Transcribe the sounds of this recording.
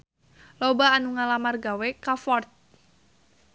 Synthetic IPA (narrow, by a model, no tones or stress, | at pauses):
lobaːnuŋalamarɡawekafɔrt̪̚